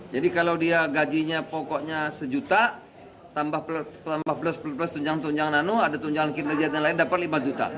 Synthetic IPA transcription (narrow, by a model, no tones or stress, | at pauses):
d͡ʒadikalawdiaɡad͡ʒiɲapɔkɔʔɲasəd͡ʒut̪a | t̪ambahplt̪ambahpələspəlpəlast̪uɲd͡ʒaŋant̪uɲd͡ʒaŋananuadat̪uɲd͡ʒaŋankinəd͡ʒat̪̚ɲalaɪndapat̪̚limad͡ʒut̪a̰